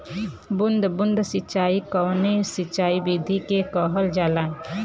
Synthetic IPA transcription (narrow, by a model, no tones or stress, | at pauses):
bʊnd̪ʱbʊnd̪ʱsɪtːt͡ʃaːikɔːnesɪtːt͡ʃaːibiːd̪ʱikekɔːɦəld͡ʒaːlãːẽ